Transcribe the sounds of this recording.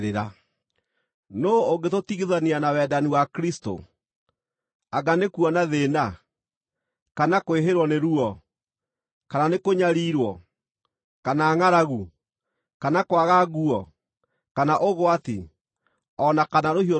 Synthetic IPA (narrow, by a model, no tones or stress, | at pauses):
eɾa | nooɡetotiɣiðanianawɛːdaniwakɾisto̰ | aɡanekuɔnaðena | kanakoweɦeɾwɔneɾuɔ | kananekoɲaɾiːɾwɔ | kanaːŋaɾaɣu | kanakwaɣaɣuɔ | kanaʔoɣoati | ɔnakanaɾohio